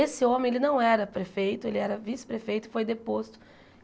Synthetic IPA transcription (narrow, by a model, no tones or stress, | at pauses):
esɪõmẽelɪnɐ̃w̃ɛɾɐpɾefejt̪ʊelɪɛɾɐvisɪ̥pɾefejt̪ʊɪ̥fojd̪epost̪ʊ̥